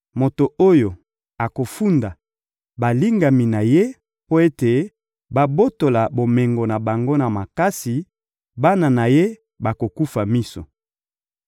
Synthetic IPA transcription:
mo˨to˨o˦jo˨ | a˨ko˨fu˦nda˨ | ba˨li˦ŋɡa˨mi˨na˨je˦ | po˦e˦te˨ | ba˨bo˦to˨la˨bo˨me˨ŋɡo˨na˨ba˨ŋɡo˦na˨ma˨ka˦si˨ | ba˦na˨na˨je˦ | ba˨ko˨ku˦fa˨mi˦so˨

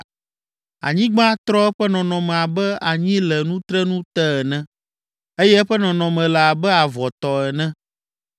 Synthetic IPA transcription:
a̰˨ɲĩ˦ɡ͡bã˦t̪ɾɔ˦ɛ˦ɸɛ˦nɔ̃˨nɔ̃˨mɛ̃˨a˨bɛ˦a˨ɲĩ˦lɛ˨nũ˦t̪ɾɛ˦nũ˦t̪ɛ˦ɛ˨nɛ̃˦ | e˦jɛ˦ɛ˦ɸɛ˦nɔ̃˨nɔ̃˨mɛ̃˨la˨a˨bɛ˦a˨vɔ˨t̪ɔ˨ɛ˨nɛ̃˦

